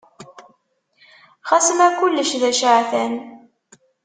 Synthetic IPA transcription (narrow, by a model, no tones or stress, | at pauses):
χæsəmækʊlːəʃðæʃaʕθæn